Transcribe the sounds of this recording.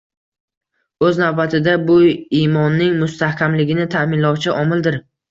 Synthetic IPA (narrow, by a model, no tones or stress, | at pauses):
ɵznawbat̪ʰɪd̪abʊimɒnːɪŋmʊst̪ahkʲʰamlɪɡʲɪnɪt̪ʰamɪnlɒwt͡ʃʰɪʔɒmɪld̪ɪɾ